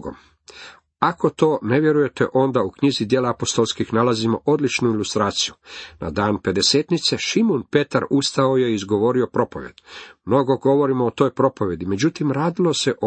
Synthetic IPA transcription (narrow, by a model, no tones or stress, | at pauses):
ɡo̰ | ako̞t̪o̞ːne̞ʋje̞ɾuje̞t̪ḛʔo̞nd̪aukɲizid̪jeːlaapo̞st̪o̞lˠskixnalazimo̞̰ʔo̞d̪lit͡ʃnuilust̪ɾaːt̪sijunʔa̰d̪aːnpe̞d̪e̞seːt̪nit̪se̞ʃimunpe̞t̪aɾust̪aoje̞iizɡo̞ʋo̞ɾio̞pɾo̞po̞ʋjḛd̪mno̞ɡo̞ɡo̞ʋo̞ɾimoːt̪o̞ːjpɾo̞po̞ʋje̞d̪ime̞d͡ʑut̪imɾaːd̪ilo̞se̞ʔ